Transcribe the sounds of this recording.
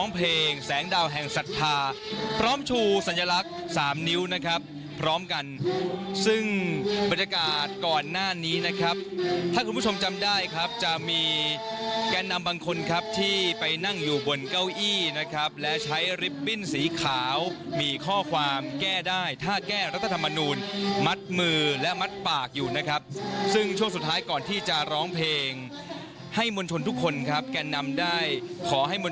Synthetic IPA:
ɔː˦˥ŋpʰleː˧ŋsɛː˩˦ŋdaː˧wɦɛ˨˩ŋsa˨˩t̪ʰːaː˧pʰɾɔː˦˥mt͡ɕʰuː˧sa˨˩˦nja˧la˦˥k̚saː˩˦mni˦˥wna˦˥kʰɾa˦˥pʰː | ɾɔː˦˥mka˧nsɯ˥˩ŋba˨˩n̚ja˧kaː˨˩t̪̚kɔː˨˩nːaː˥˩niː˦˥na˦˥kʰɾa˦˥p̚t̪ʰaː˥˩ku˧npʰt͡ɕʰo˧mt͡ɕa˧mdaː˥˩jkʰɾa˦˥p̚t͡ɕa˨˩miː˧ | kaː˧nːa˧mbaː˧ŋkʰo˧nkʰa˦˥p̚t̪ʰiː˥˩pa˧jna˥˩ŋjuː˨˩bo˧nka˥˩wʔiː˥˩na˦˥kʰa˦˥p̚lɛ˦˥t͡ɕʰa˦˥jɾi˦˥p̚ːi˥˩nsiː˩˦kʰaː˩˦wmiː˧kʰɔː˥˩kʰwaː˧mkɛː˥˩daː˥˩jt̪ʰaː˥˩kɛː˥˩ɾa˦˥t̪ʰːa˧t̪ʰa˧mːa˧nuː˧nma˦˥t̪̚mɯː˧lɛ˦˥ma˦˥t̪̚paː˨˩k̚juː˨˩na˦˥kʰɾa˦˥p̚sɯ˥˩ŋt͡ɕʰu˥˩əŋsu˨˩t̪ʰːaː˦˥jkɔː˨˩nt̪ʰiː˥˩t͡ɕa˨˩ɾɔː˦˥ŋpʰleː˧ŋ | ha˥˩jmo˧nt͡ɕʰo˧nt̪ʰu˦˥kʰːo˧nkʰa˦˥p̚kɛː˧nːa˧mdaː˥˩jkʰɔː˩˦ɦa˥˩jmo˧

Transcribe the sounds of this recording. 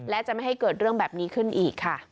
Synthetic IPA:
lɛ˦˥t͡ɕa˨˩ʔma˥˩jha˥˩jkɤː˨˩t̪̚ɾɯ˥˩əŋbɛː˨˩p̚niː˦˥kʰɯ˥˩nʔiː˨˩kʰːa˥˩

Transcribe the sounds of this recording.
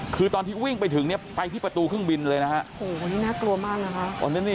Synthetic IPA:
kʰɯː˧t̪ɔː˧nt̪ʰiː˥˩wi˥˩ŋpa˧jt̪ʰɯ˩˦ŋni˥˩ɐpa˧jt̪ʰiː˥˩pɾa˧t̪uː˧kʰɯ˥˩əŋbi˧nlɤː˧jna˦˥kʰa˦˥ʔhoː˨˩niː˦˥naː˥˩klu˧ɐmaː˥˩k̚na˦˥kʰa˦˥ʔt̪ɔ̰˧ni˦˥niː˥˩

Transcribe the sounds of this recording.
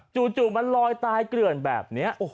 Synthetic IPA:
t͡ɕuː˨˩t͡ɕuː˨˩ma˧nlɔː˧jt̪aː˧jkɾɯ˨˩ənbɛ̰ː˨˩p̚ni˦˥ɐʔ

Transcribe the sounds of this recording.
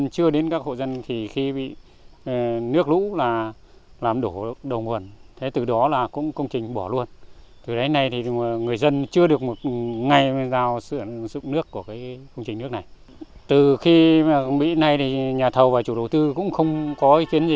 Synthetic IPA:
t͡ɕɨ˧əɗe˨˦nkaː˦˥k̚ho̰˧˨zə˧nt̪ʰi˨˩xi˧ɓḭ˧˨ | nɨ˦˥ək̚lṵ˧˥laː˨˩ | laː˨˩mɗo˧˩ɗə˨˩wŋ͡mhu˨˩ənt̪ʰe˨˦t̪ɨ˨˩ɗɔ˨˦laː˨˩kʊ̰˧˥ŋ͡mkə˧wŋ͡mt͡ɕï˨˩ŋ̟ɓɔ˧˩lu˧ənt̪ɨ˨˩ɗə˨˦na˧jt̪ʰi˨˩ŋɨ˨˩əjzə˧nt͡ɕɨ˧əɗɨ˨˩ək̚mo˨˩t̚ŋa˧˩jzaː˧˩wsɨ̰˧˩əzʊ̰˧˨ŋ͡mnɨ˦˥əkːu˧˩əkaː˨˦jkə˧wŋ͡mt͡ɕï˨˩ŋ̟nɨ˦˥ək̚na˨˩j | t̪ɨ˨˩xi˧˨˩ɓḭ˧˨na˧jt̪ʰi˨˩ɲaː˨˩t̪ʰə˨˩wvaː˨˩t͡ɕu˧˩ɗə˨˩wt̪ɨ˧kʊ̰˧˥ŋ͡mxə˧wŋ͡mkɔ˨˦ʔi˨˦ki˨˦ənzi˨˩

